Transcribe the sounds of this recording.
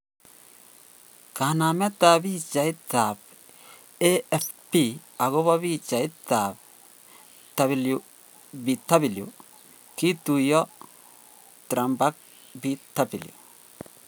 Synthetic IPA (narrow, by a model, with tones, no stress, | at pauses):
ka˨na˨mɛ˦ta˨bi˦t͡ʃa˨i˦t̪a˨b | e˦ɛ˨fpi˦ | a˨ɡo˦βa˦βi˦t͡ʃa˨i˦t̪a˨b | ta˨βlu | bi˨ta˦bi˨ljṵ˨ | ki˦t̪u˨jɔ˦ | tɾa˨mba˦k̚ | bi˦ta˦bi˨ljṵ˨